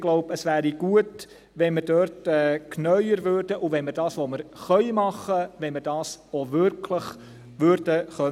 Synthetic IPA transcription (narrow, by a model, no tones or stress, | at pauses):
ɡ̥lɔʊbəsʋæːɾiɡ̥uət | ʋɛnməɾdøɾtɛːknœʏəɾvøɾd̥əʔuvɛnməɾdɑːsʋoməɾχœʏmɑχːəʋɛnməɾd̥ɑːsovʏɾkʰləχ | ʋʏɾd̥əχœ